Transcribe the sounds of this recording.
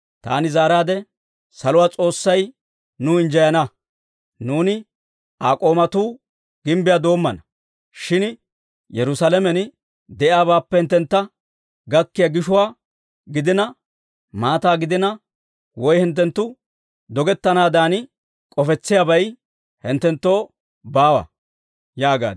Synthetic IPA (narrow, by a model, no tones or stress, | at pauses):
t̪a̰ːnɪzaːɾaːd̪ɛ | sɐlʊwaːt͡sʼo̞ːsːɐj | nʊːɪnd͡ʒɐjɐnɐ | nuːnɪ | aːkʼo̞ːmɐt̪uː | ɡ̥ɪmbɪjaːd̪o̞ːmːɐnɐ | ʃɪn | jɛɾʊsalɛmɛn | d̪ɛʔjaːbaːpːɛhɪnt̪ːɛnt̪ːɐ | ɡɐkːɪjaɡɪʃʊwaː | ɡɪd̪ɪnɐ | maːt̪aːɡɪd̪ɪnɐ | wɔjhɪnt̪̬ːɛnt̪ːʊ | d̪ɔɡɛt̪ːɐnaːd̪aːn | kʼɔfɛt͡sːɪjabɐj | hɪnt̪ːɛnt̪ːo̞ː | baːwɐ̰ | jaːɡa̰ːd̪